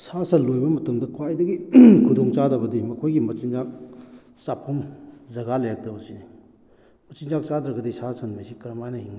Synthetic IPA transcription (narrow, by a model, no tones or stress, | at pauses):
sasɐnlojbɐmɐtɐmdɐkʰwajdɐɡikʰudoŋt͡ʃadɐbɐdimɐkʰojɡimɐt͡ʃinzak̚ | sapʰːomzɐɡalajak̚tɐbɐsini | mɐt͡ʃinzak̚t͡ʃadɾɐɡɐdisasɐnmasikɐɾmajnɐhiŋna